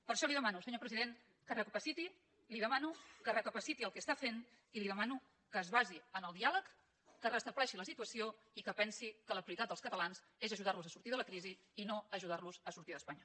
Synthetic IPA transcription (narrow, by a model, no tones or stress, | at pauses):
pəɾʃɔliðəmanusəɲopɾəziðen | kərəkəpəsit̪i | liðəmanukərəkəpəsit̪iəlˠkɛst̪afen | iliðəmanu | kəːzβaziənəlˠd̪ialəkː | ərəst̪əβlɛʃiləsit̪uəsio | ikəpɛnsikələpɾuit̪at̪d̪əlˠskət̪əlanz | ezəʒuðaɾluzəsuɾt̪iðələkɾizi | inoəʒuðarluzəsuɾt̪iðəspaɲə